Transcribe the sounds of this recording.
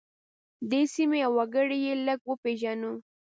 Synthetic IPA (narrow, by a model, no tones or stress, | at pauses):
d̪esimeawaɡəɽejeləɡwəpeʒanu